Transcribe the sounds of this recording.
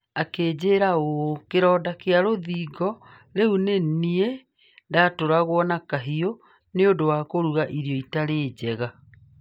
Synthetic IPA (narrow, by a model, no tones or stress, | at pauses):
akeːd͡ʑeːɾaokeɾɔːdakeaɾoðiːɡɔ | ɾeunenie | datoɾaɣwɔnakaɦio | neodowaːkoɾuɣaʔiɾijɔitaɾeːd͡ʑɛɣa